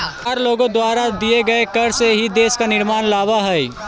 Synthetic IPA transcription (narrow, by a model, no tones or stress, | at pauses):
aːɾloːɡõd̪waːɾad̪ieɡɐekɐɾseɦid̪eːskanɪɾmaːnlaːʋaɦɛj